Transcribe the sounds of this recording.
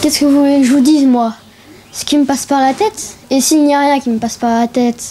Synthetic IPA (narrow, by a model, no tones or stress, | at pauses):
kʲɛskəvuleʒəvud̪izmwa | sə̥kʲiməpaspaʁlat̪ɛt̪esilnijaʁjɛ̃kʲiməpaspaʁlat̪ɛt̪